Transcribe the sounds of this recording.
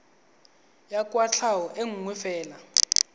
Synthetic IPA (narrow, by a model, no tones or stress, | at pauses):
jakʼwat͡ɬʰawɔʔeŋ̩ŋwɛfɛːla